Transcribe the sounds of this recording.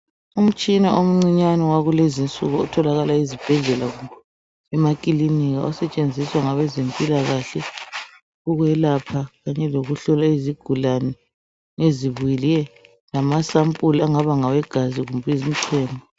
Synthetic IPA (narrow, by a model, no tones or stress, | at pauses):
um̩t͡ʃʼinaom̩ŋ͡ǀiɲanɛwaɣulezint͡sʼuɣɔɔtʰɔlaɣalaizib̥ʱɛɮɛlaɣum | ɛmakʼiliniɣa̰ɔsɛt͡ʃʼend͡zʱiswaŋaβɛzempʼilaɣaɬɛ | uɣwɛlapʰaɣaɲɛloɣuɬɔlaiziɡ̥ʱulanɛ | eziβujilɛ | lamasampʼulaŋaβaŋawɛɡ̥ʱaziɣumbʼizim̩ǀʰwɛːnɔ